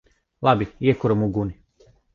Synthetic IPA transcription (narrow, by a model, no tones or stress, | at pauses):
labijekuɾomuɡuni